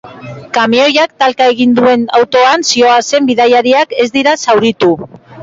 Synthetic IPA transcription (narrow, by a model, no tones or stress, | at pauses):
kamio̞jakt̪alkae̞ɣ̞ind̪ue̞na̰wt̪o̞ansio̞ase̞mbiðajaɾiake̞zd̪iɾasawɾit̪u